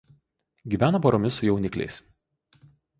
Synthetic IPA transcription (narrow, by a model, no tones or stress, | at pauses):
ɡʲiːʋʲæːnɐpɔɾɔmʲɪsʊjɛʊnʲɪklʲɛ̰ɪs